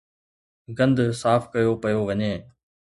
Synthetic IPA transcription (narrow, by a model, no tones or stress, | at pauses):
ɡɐ̃nd̪saːfkɐjopɐjoʋɐɲeː